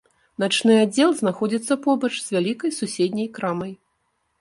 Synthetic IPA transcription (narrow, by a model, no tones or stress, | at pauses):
nat͡ʂnɨad͡zʲːɛlˠzn̪axɔd͡zʲit̪sːɐpɔbɐt͡ʂz̥vʲalʲikɐjsusʲed̪ʲnʲɐjkɾamɐj